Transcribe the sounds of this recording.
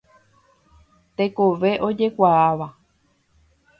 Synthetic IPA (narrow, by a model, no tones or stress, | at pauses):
t̪e̞koʋe̞ʔo̞d͡ʒe̞kʷaaʋa